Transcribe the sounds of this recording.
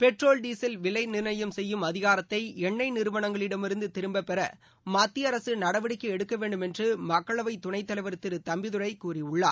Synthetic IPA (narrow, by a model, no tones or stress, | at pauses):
pɛʈroːlɖiːsɐlʋɪlɐɪnɪɾnɐjɐmsɛjːɯmɐðɪɣaːɾɐt̪ːɐɪɛɳːɐɪnɪɾɯʋɐɳɐŋɡɐɭɪɽɐmɪɾɯnd̪ɯt̪ɪɾɯmbɐpːɛɾɐ̰ | maːt̪ːiɐɾɐsɯnɐɽɐʋɪɽɪkːɯɛɽɯkːɐʋeːɳɖɯmɛndrɯmɐkːɐɭɐʋɐɪt̪ʊɳɐɪt̪ːɐlɐɪʋɐɾɯt̪ːɪɾɯt̪ɐmbɪðɯɾɐɪkːuːriʊɭːaːɾ